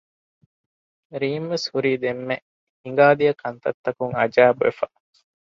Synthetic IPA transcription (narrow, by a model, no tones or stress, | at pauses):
ɾiːmʋeshuɾiːd̪emːe | hiŋɡaːd̪ijɐkʰɐnt̪ɐt̪ːɐkuŋɐd͡ʒæːbuḛfɐ